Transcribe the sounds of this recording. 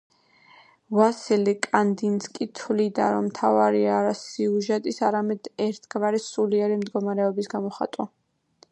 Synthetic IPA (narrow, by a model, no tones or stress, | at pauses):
vasilikʼand̪inskʼit̪ʰlid̪a̰ɾɔmt̪ʰavaɾiaɾasiuʒɛt̪ʼisaɾamɛd̪̥ɛɾt̪ʰɡvaɾisuliɛɾimd̪ɡɔmaɾɛɔbisɡamɔχa̰t̪ʼwa̰